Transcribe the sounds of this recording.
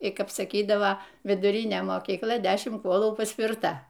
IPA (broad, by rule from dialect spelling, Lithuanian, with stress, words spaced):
ɪ ˈkɐp sɐˈkʲiːdɐʋɐ ʋʲɪdʊˈrʲɪnʲeː moːkʲiːkˈlˠɐ ˈdʲæːʃʲɪm ˈkuɔlˠuː pɐsʲpʲɪrˈtɐ